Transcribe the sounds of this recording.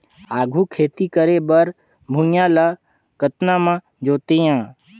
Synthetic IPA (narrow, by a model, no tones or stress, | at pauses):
aːɡʱuːkʰeːt̪ikəɾebəɾ | bʱũjãːla | kət̪namã | d͡ʒoːt̪ejãː